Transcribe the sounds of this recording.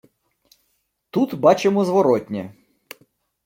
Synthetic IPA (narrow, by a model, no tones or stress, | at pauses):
t̪ut̪bɑt͡ʃemɔzʋɔɾɔtʲnʲɛ̰